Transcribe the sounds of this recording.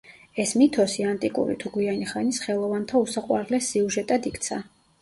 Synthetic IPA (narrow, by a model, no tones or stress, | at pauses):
ɛsmit̪ʰɔsiant̪ʼikʼṵɾḭt̪ʰuɡwianiχanisχɛlˠɔvant̪ʰausaqʼwa̰ɾlɛsːiuʒɛt̪ʼad̪ikʰt̪sʰa